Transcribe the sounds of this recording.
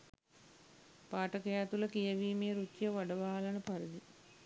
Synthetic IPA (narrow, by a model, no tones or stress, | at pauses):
paːʈɐkɐjaːt̪ulɐkijɐʋiːmeːɾut͡ʃːjɐʋɐɖɐʋaːlɐnɐpɐɾid̪i